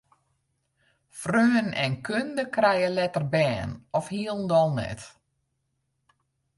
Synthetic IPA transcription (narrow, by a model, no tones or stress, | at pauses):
frøːənɛ̰nkʰøndəkrɛjəlɛtərbɛːnɔfhiəlˠn̩dɔlˠnɛ̰t